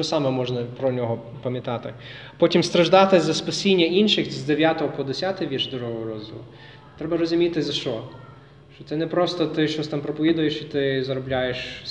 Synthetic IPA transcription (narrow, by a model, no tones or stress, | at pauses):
ɔsɑmɛmɔʒnɐpɾɔnʲɔɦɔ | pɐmʲjɐt̪ɑt̪ɪ | pɔtʲimst̪ɾɐʒd̪ɑt̪ɪzɐspɐsʲinʲːɐinʃɪxzʲd̪eʋʲjat̪ɔɦɔpɔd̪esʲat̪ɪʋʲirt͡ʃd̪ɔɾɔɦɔɾɔzʲḭlˠʊ̰ | t̪ɾɛbɐɾɔzʲʊmʲit̪ɪzɐʃɔ | ʃt͡ʃɔt̪sɛnɛpɾɔst̪ɔt̪ɪʃɔsʲt̪ɑmpɾɔpɔʋʲid̪ʊjeʃit̪ɪzɐɾɔblʲajeʃ